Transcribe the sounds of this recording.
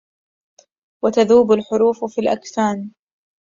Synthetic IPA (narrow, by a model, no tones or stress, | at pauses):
wat̪aðuːbalħʊɾuːffiːlʔa̰ksaːn